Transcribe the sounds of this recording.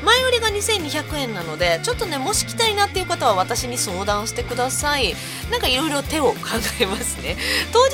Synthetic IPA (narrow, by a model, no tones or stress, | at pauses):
maioɾʲiɡaɲ̟isẽ̞ɲ̟ːiçakɯ̟ẽ̞nːano̞d̪e̞t͡ɕo̞t̪ːo̞ne̞mo̞ɕi̥kʲi̥t̪ainat̪ːe̞iɯ̟kat̪oβaβ̞at̪aɕiɲ̟iso̞ːd̪ãɰ̃ɕi̥t̪e̞kɯ̟d̪asai | nãŋkaiɾo̞jɾo̞t̪e̞o̞kʰãŋɡae̞masɨne̞t̪o̞ː